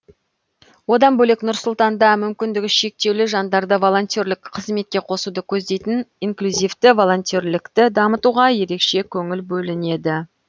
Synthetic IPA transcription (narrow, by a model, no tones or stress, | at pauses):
wo̞d̪ɑnbɵleknʊɾsʊlˠt̪ɑnd̪ɑmʏmkʲɪnd̪ɪɡʲɪʃe̞k̚t̪e̞wlɪʒɑnd̪ɑɾd̪əvo̞lˠo̞nt̪ʲorlɪkqʰəzme̞t̪̚kʲeqʰo̞sud̪əkʲʰɵzd̪e̞jt̪ɪniŋklʲyzijft̪ɪvo̞lˠo̞nt̪ioɾlɪkt̪ɪd̪ɑmət̪uʁɑje̞ɾe̞kʃe̞kʲʰɵŋɪlbɵlɪne̞d̪ɪ